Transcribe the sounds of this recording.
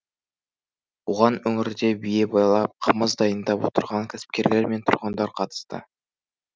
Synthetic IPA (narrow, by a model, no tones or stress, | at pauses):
uʁɑnɵŋɪɾd̪e̞bije̞bɑjlˠɑp̚qʰəməzd̪ɑjənd̪ɑpwo̞̰t̪əɾʁɑŋkʲʰæ̥sɪ̥p̚kʲe̞ɾle̞ɾme̞nt̪ʰʊɾʁənd̪ɑɾqʰɑt̪ə̥st̪ə̰